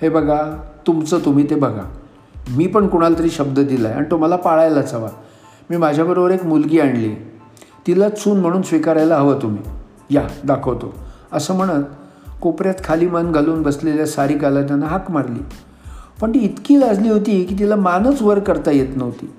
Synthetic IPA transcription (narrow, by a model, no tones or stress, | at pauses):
hebʱəɡʱat̪umt͡səːt̪um̤iːt̪ebʱəɡʱa̰ | miːpəɳkuɽ̃alt̪əɾiːɕəbd̪əd̪ilaa̰ɽit̪um̤alapaɭajlat͡səʋa | miːmad͡ʑʱjabəɾobəɾekmulɡiːaɳli | t̪ilat͡suːnm̤əɽ̃uːnsʋikaɾajlaɦəʋət̪um̤ḭː | jad̪akʰəʋt̪o | əsəːm̤əɽ̃ət̪ | kopɾjat̪kʰaliːmənɡʱəluːnbəsleljasaɾiːkalat̪̬janaɦakmaɾlḭː | pəɳt̪iːt̪kiːlad͡zliːɦot̪iːkiːt̪̬ilamanət͡sʋəɾkəɾt̪ajet̪nəɦt̪ḭː